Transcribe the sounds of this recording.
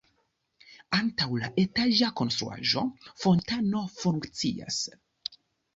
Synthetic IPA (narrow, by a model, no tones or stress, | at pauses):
antawlaʔe̞taʒako̞nst̪ɾṵa̰ʒo̞fo̞ntano̞fuŋkt͡sḭa̰s